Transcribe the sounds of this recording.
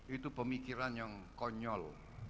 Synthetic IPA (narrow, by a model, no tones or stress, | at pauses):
it̪upəmikiɾanjəŋkɔɲɔl